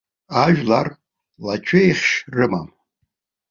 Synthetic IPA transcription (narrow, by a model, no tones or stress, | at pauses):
aʒᶣlar | lat͡ʃʷʰejχʲʃrɨma̰m